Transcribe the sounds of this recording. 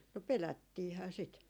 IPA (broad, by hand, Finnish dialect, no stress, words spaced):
no pelætːiːhæː sit